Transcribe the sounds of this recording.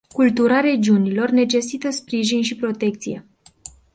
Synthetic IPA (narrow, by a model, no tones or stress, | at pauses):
kult̪uɾaɾe̞d͡ʒiunilo̞rne̞t͡ʃe̞sit̪əspɾiʒinʃipɾo̞t̪e̞k̚t̪sije̞̰